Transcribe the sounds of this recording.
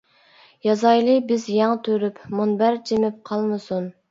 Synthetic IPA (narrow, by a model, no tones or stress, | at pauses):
jɑzɑjlˠɨbɪzjɑŋt̪ʰøɾypmunbæɾd͡ʒʰemɪp̚qʰɑlˠmɨsun